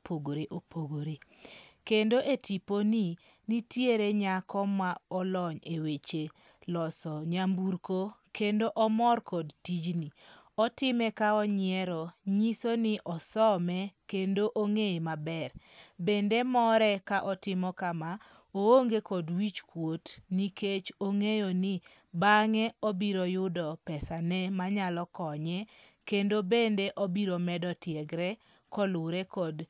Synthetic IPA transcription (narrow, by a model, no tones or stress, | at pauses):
poɡoɾeʔopʰoɡoɾekendoʔetʰiponi | nitjeɾeɲakʰɔmaɔlɔɲewet͡ʃe | lɔsɔɲambuɾkokendoʔɔmɔrkɔdtid͡ʒniɔtɪmɛkaɔɲɪɛɾɔɲisonɪʔɔsɔmɛkendoʔoŋemabɛr | bendemɔɾɛkaʔɔtɪmɔkama | ooŋɡekɔdwit͡ʃkwotniket͡ʃoŋejonɪ | baŋɛobiɾojʊdɔpɛsanɛmaɲalɔkɔɲɛ | kendobendeʔɔbiɾomɛdɔtjeɡɾɛ | kɔlʊɾɛkɔd